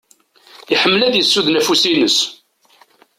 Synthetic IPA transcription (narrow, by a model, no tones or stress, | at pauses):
iħəmːlæðjəsːuðnæfusinəs